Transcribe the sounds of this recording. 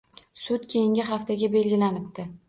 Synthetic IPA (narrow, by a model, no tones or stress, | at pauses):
sʊt̪kʲʰe̞jɪŋʲɪɦaft̪ʰaɡʲabe̞lɡʲɪlanɪp̚t̪ɪ